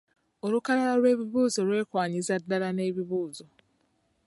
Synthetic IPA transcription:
o̞lukalalaɾwe̞ːβiβuːzo̞lwe̞ːkwaːɲizadːalane̞ːβiβuːzo̞

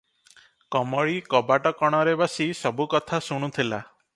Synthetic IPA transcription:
kɔmɔɭikɔbaʈɔkɔɽ̃ɔɾebɔsisɔbukɔt̪ʰasuɽ̃ut̪ʰila̰

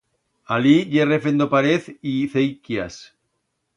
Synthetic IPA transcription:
aliʝerefend̪opaɾeθiθejkjas

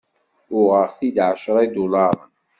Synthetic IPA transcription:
ʊʁəɾθid̪ʕaʃɾˤɑid̪ulɑɾˤən

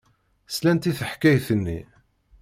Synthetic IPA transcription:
slænt̪iθəħkːæjθənːi

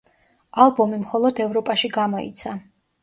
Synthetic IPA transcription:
alˠbɔmimχɔlˠɔd̪ɛvɾɔpʼaʃiɡamɔḭt̪sʰa

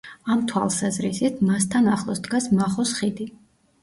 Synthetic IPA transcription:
amt̪ʰwa̰lˠsazɾisit̪ʰmast̪ʰanaχlˠɔsd̪ɡasmaχɔsχid̪i

